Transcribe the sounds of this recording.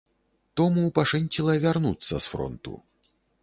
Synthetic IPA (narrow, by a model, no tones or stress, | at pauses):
t̪ɔmuːpaʂɛnʲtʲilˠɐvʲarnut̪sːɐ̰sfɾɔ̰nt̪ṵ